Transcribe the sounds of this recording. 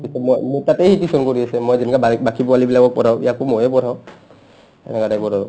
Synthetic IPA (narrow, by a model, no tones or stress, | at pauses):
isɛmojmutateɦitisɔnkoɹiasɛmojzɛnkabakipɔalibilaɡɔk̚pɔɾaʊḭjakomojɛpɔɾʱaw | ɛ̰nɛkatajpɔɾʱa